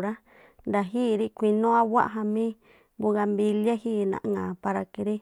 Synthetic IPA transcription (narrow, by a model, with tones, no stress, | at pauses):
ɾa˦ | nd̪a˨ɦiː˦˨˧ɾi˦kʷi˧nõ˦a˦wa˦ʔɦã˧mĩ˦ | bu˧ɣa˧mbi˧lja˦hi˦˨nã̰˨ʔŋã˨pa˧ɾa˧ki˧ɾi˦